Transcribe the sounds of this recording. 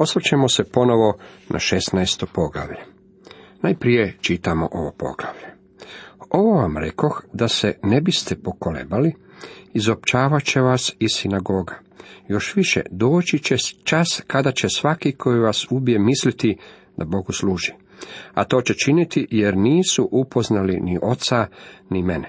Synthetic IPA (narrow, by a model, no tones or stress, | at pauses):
o̞sʋet͡ɕemo̞sepo̞no̞ʋo̞nʔa̰ʃesnajst̪opo̞ɡla̰ʋʎe | najpɾije̞t͡ʃit̪amoʔo̞ʋo̞po̞̰ɡlaʋʎe | o̞ʋo̞ʋamɾe̞̰ko̞xd̪asene̞bist̪epo̞kolḛbali | izopt͡ʃaːʋat͡ɕe̞ʋasisinaɡo̞ɡa | jo̞ʃʋiʃḛd̪o̞ːt͡ʃit͡ɕet͡ʃaskad̪at͡ɕesʋakikʰo̞jiʋasubijemislit̪i | d̪abo̞ɡusluːʒi | a̰t̪o̞ːt͡ɕet͡ʃinit̪ijeɾniːsuʔupo̞znaliniʔo̞t̪sanimene